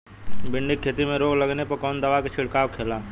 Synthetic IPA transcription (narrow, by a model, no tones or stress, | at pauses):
bɪɳɖɪkʰːeːt̪imẽɾoːɡləɡnepɐɾkɔːnd̪əʋaket͡ʃʰɪɽkaːwkʰeːlaː